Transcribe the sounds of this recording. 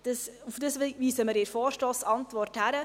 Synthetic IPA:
d̥əsufd̥əsʋʋiːsəməɾɪɾfoːɾʃtoːsɑntʋɔrthæɾə

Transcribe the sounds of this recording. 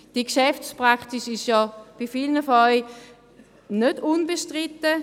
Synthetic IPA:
d̥iəkʃɛft͡spʁaktiʃɪʃjɔb̥ifilnəfɔœɪ | nød̥unbeʃtʁɪt̪ːə

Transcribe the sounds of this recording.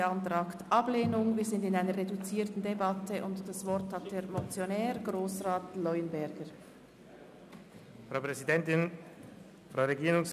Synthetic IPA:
ɑntʁɑːktʔɑbleːnʊŋviːɐzɪndɪnaɪnəɾʁedut͡siːɐtn̩debɑtʰəʔʊntd̥ɑsvɔʁthat̚d̥eːɾmɔt͡sjonɛːʁɡɾoːsʁaːtlɔʏənbɛɾɡəɾ | fʁaʊpʁɛzidɛntɪn | fʁ̥aʊɾeɡiːʁʊŋs

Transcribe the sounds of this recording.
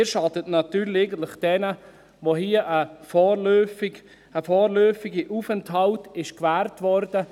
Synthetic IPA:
ʃɑdətnɑtyːɾleɡən̩tlɪχd̥ɛnə | voɦiəʔəfɔːɾløːfɪɡ | əfɔːrlœːfiɡiʔufɛnthɑltɪʃkvæːɾtvɔrdə

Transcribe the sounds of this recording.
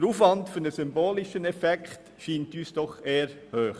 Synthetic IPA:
ɾuːfʋɑntfynəsymboːlɪʃənɛfɛkχt | ʃiːntyːsd̥ɔχeːəɾ | høːχ

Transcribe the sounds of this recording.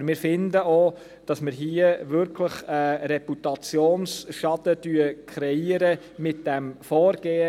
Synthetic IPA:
mɪːɾfɪndəo | d̥ɑsmɪɾɦiːəvʏɾkʰləχɛːɾɛput̪ɑt͡sjoːnsʃɑd̥ədyəkʰχɾɛiəɾə | mɪt̚d̥ɛmfɔːɾɡ̥eːə

